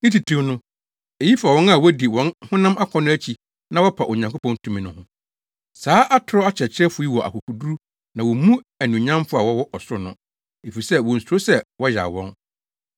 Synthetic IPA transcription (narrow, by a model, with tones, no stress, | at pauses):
nɪ̃˦ti˨tʰĩ˦nʊ̃˦ | e˨ji˦fa˨wɔ̃˦na˦˨wɔ˦di˨wɔ̃˨˦nhʊ̃˦nã˦mʔa˦kʰɔ̃˨nʊ̃˦æ˦t͡ɕʰi˨ | nã˦wɔ˦pʰa˨ʔo˨ɲã˨ŋkʰo˦pʰɔ̃˦ntʰũ˦mĩ˨nʊ̃˦hʊ̃˦ | saː˨˦ʔa˦tʰʊ˨ɾɔ˦a˦t͡ɕʰɛ˨t͡ɕʰɪ˦ɾɛ˦fʊ˨˦i˦wɔ˨ʔa̰˨kʰu˨kʰu˨du˦ | nã˨wɔ˨mũ˦æ˨nũ˨ɲã˦mfʊ˦a˨wɔ˦wɔ˦ʔɔ˨sʊ˦nʊ̃˦ | e˨fi˨i˨sɛ˦wɔ̃˨n̩˨su˨ɾo˦sɛ˦wɔ˦ja̰˨wɔ̰̃˦n